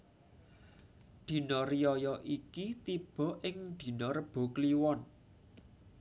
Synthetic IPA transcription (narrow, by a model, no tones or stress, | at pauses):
d̪̥i̤nɔrijɔjɔʔikit̪ib̥ɔ̤ʔɪŋd̪̥i̤nɔɾəb̥o̤kliwɔn